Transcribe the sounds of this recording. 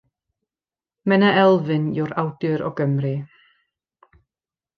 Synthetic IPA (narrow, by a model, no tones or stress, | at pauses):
mɛnəɛlˠvɨnjɔɾawd̥ɨɾɔ̰ɡəmrɨ